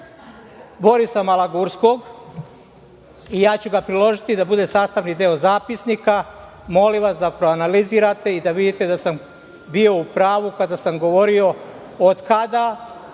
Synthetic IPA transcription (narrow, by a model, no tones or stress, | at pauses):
bo̞ɾisamalˠaɡuɾsko̞ɡ | ijaːt͡ɕuɡapɾilo̞ʒit̪id̪abud̪e̞saːst̪aʋnid̪eo̞zaːpisnika | mo̞limʋasd̪apɾoanaliziːɾat̪e̞id̪aʋid̪it̪e̞d̪asam | bio̞upɾaːʋukad̪asamɡo̞ʋo̞ɾio̞ | od̪kad̪a